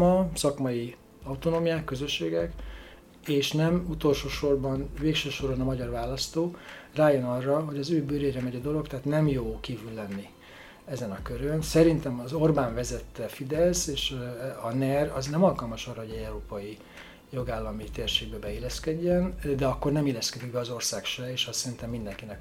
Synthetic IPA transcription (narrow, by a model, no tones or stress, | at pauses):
mɒsɒkmɒji | ɒwt̪onoːmijaːkːø̞zø̞ʃːeːɡɛk | eːʃnɛmut̪o̞lʃoːʃo̞rbɒnveːkʃøːʃo̞rbonɒmɒɟɒrʋaːlɒst̪oːraːjo̞nɒrːɒɦo̞ɟɒzøːbyːɾeːɾɛmɛɟɛd̪o̞lo̞kt̪ɛɦːt̪nɛmjoːkiːvylːɛnːi | ɛzɛnɒkøɾønsɛɾint̪ɛmɒzo̞rbaːɱvɛzɛt̪ːɛfid̪ɛlseːʃɒnɛrɒznɛmɒlkɒlmɒʃɒrːɒɦo̞ɟɛɟɛwɾoːpɒji | jo̞ɡaːlːɒmit̪eːrʃeːɡ̚bɛbɛilːɛskɛɟːɛnd̪ɛɒkːo̞rnɛmilːɛskɛd̪iɡ̚bɛɒzo̞rsaːkʃɛeːʃɒssɛɾint̪ɛmːind̪ɛŋkinɛk